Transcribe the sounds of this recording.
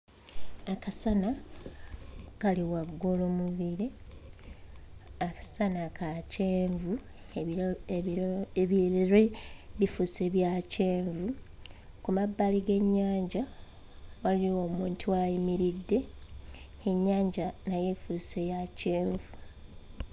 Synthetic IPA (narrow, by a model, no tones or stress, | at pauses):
akasana | kaliwaɡːolomuβiɾe̞ | akḁsanakaceːɱvu | eβleɾeβifuse̞ːβjace̞ːɱvu | kumabːaliɡe̞ɲːaːɲɟa | waliiwoːmuːntʰiwajimiɾidːe̞ː | ɲːaːɲɟanaje̞fuse̞jace̞ːɱvu